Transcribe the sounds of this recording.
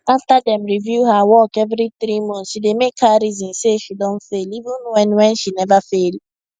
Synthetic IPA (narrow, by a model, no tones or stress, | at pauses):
aftadɛ̃mɹivjuhawɔkɛvɾiθɾimɔ̃nʃidemekʰaɾizɔ̃nseʃidõnfelivũnwɛ̃nwɛ̃nʃinɛvafel